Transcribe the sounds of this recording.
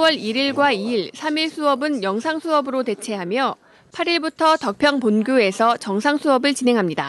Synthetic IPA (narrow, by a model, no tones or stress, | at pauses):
wʌɾiɾiɭɡwaiiɭsʰamiɭsʰuʌbɯnjʌŋsʰaŋsʰuʌbɯɾote̞t͡ɕʰe̞ɦamjʌ | pʰaɾiɭbutʰʌtʌk̚pʰjʌŋponɡjoe̞sʰʌt͡ɕʌŋsʰaŋsʰuʌbɯɭt͡ɕine̞ŋɦamɲida̰